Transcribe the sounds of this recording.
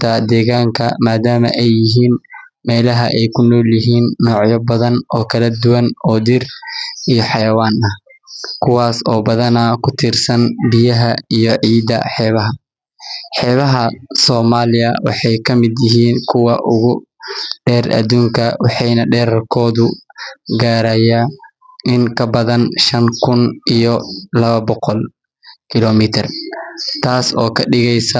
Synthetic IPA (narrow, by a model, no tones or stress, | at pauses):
t̪ʰɐd̪ɛːɣaːŋkʰɐ̰maːd̪aːmɐ̰ʔɛjːɪɦiːn | mɛːlɐɦɐʔɛjkʰʊnɔːljɪɦiːnːɔːʕjɔbɐðɐnɔːkʰɐlɐd̪ʊwɐnɔːd̪ɪrijɔħɑjɐwaːnɐh | kʰʊwaːsɔːbɐðɐnɐkʰʊt̪ʰɪrsɐnbɪjɐɦɐijɔʕiːd̪ɐ̰ħɛːβɐɦɐ | ħɛːβɐɦɐsɔːmaːlɪjɐwɑ̰ħɑjkʰɐmɪd̪jɪɦiːnkʰʊwɑʔʊɣʊɖɛːrʔɐ̰d̪uːŋkʰɐwɑħɑjnɐɖɛːɾɐrkʰɔːðʊɡaːɾɐja | ɪŋkʰɐbɐðɐnʃɐŋkʰʊnijɔlɐβɐbɔqɔl | kʰɪlɔmɪt̪ʰɪrt̪ʰaːsɔːkʰɐɖɪɣɛjsɐ